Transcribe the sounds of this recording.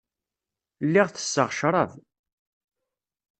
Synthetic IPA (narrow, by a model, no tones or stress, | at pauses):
lːɪʁθə̥sːəʁʃɾˤɑv